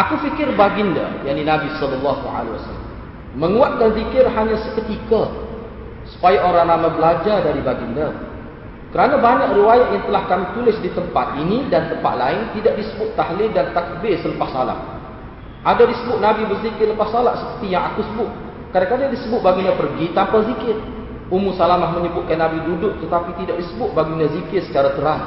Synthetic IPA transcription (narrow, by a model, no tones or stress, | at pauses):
ʔakufikɪrbaɡinda̰jaʔninãbisɔləlːɑhua̰lewa̰sala̰mː | əŋuat̪̚kanzikɪrɦaɲãsəkət̪ika | su̥pajaʔoɾaŋnaŋmãbəlad͡ʒadaɾibaɡinda | kəɾanãbaɲakriwajaʔjaŋt̪əlahkamit̪ulɪsdit̪əmpat̪̚inĩdant̪əmpa̰t̪̚laɪnt̪idaʔ̚disəbʊt̪ːaɦlɪdant̪ak̚bɪsələpasala̰ʔ | ʔadadisəbʊt̪̚nabibərzikɪrləpassalaʔsə̥pərt̪ijaŋakusəbʊt̪̚ | kadakadadisəbʊt̪̚baɡiɲapərɡit̪ampazikɪt̪̚ | umusalamlahmə̃ɲəbʊʔ̪kanːãbidudʊk̚t̪ət̪apit̪idaʔ̚disəbʊt̪̚baɡiɲazikɪtsə̥t͡ʃaɾat̪əɾas